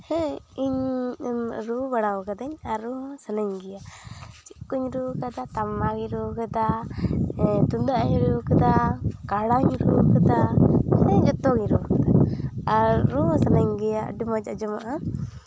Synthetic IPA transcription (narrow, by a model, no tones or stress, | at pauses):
hɛiɲ | ɾubaɽawkad̪ɛɲaɾusənaɲɡijat͡ʃikːuɲɾukad̪at̪amaɡiɾukad̪a | t̪und̪aʔaɲɾukad̪akaɽaɲɾukad̪ahɛd͡ʒət̪ɔɡiɲɾukad̪aaɾusənaɲɡija̰ɖimɔd͡ʒad͡ʒɔmaʔa